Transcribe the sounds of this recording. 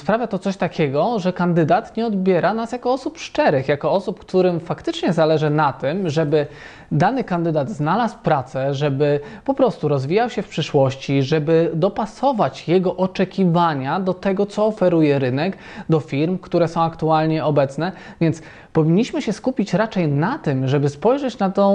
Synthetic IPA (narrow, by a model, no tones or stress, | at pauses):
spɾavʲjat̪ɔt̪sɔɕt̪akʲʰɛɡɔʐɛkand̪ɘd̪at̪ɲɛɔd̪bʲjɛɾanasjakɔɔsupʂt͡ʂɛɾɘxjakɔɔsupkt̪uɾɘmfakt̪ɘt͡ʂɲɛzalɛʐɘnat̪ɘmʐɛbɘ | d̪anɘkand̪ɘd̪ad̪znalaswpɾat̪sɛʐɛbɘpɔpɾɔst̪uɾɔzvʲijawɕɛfpʂɘʂwɔɕt͡ɕiʐɛbɘd̪ɔpasɔvat͡ɕjɛɡɔʔɔt͡ʂɛkʲivaɲad̪ɔt̪ɛɡɔt̪sɔːfɛɾujɛɾɘnɛk | d̪ɔfʲiɾmkt̪uɾɛsɔ̃w̃akt̪ualɲɛɔbɛt̪snɛvʲjɛnt̪s | pɔvʲiɲːiɕmɘɕɛskupʲit͡ɕɾat͡ʂɛjnat̪ɘmʐɛbɘspɔjʐɛt͡ɕnat̪ɔ̃